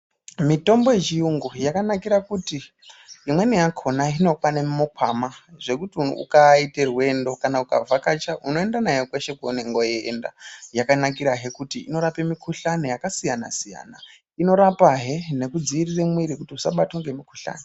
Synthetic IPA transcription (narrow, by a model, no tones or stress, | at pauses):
mito̞mbojet͡ʃijuŋɡujakanakiɾakuti | imwe̞nejakʰo̞naino̞kwanemmokʰamaʐe̞kutiuṵkaite̞rwe̞ndo̞kanauka̰vʱakat͡ʃaʔuno̞e̞ndanajokwe̞ʃe̞koneŋɡojḛːnda̰jakanakiɾaɦe̞kutiino̞ɾape̞mikʰuɬanejakasijana̰sija̰ːna | ino̞ɾapaɦe̞ne̞kud͡ziiriremwiɾikutiusaɓatwoŋɡe̞mikuɬa̰ːne